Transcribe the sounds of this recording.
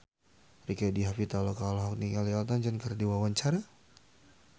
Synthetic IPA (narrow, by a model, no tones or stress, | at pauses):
rikadiɦafit̪alɔkalaɦak̚niŋalialt̪aɲd͡ʒankərdiwawaɲt͡ʃaɾa